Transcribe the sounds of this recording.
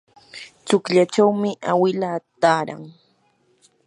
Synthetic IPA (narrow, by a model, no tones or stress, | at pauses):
t͡sʊkʎat͡ʃawmɪʔawɪlaːt̪aːɾa̰ŋ